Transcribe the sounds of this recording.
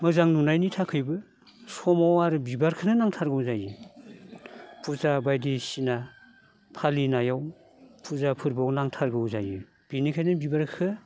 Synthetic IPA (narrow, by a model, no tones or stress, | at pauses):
mɯzaŋnunajnitʰakʰɯjbɯ | sɔmawaɾɯbibaɾkʰɯnɯnaŋtʰaɾɡɯwzaji | pʰuzabajdisina | pʰalinajaw | pʰuzapʰɯɾbɔwnaŋtʰaɾɡɯwzajɯ | b̥inikʰajnɯbibaɾkʰɯ